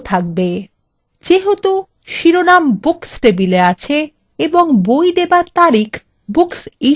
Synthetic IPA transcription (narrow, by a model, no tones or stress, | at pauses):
t̪ʰak̚be | d͡ʑeɦot̪o | ʃiɾonambuksʈebileat͡ɕʰe | eboŋbojd̪ebaɾt̪aɾikʰ | buksi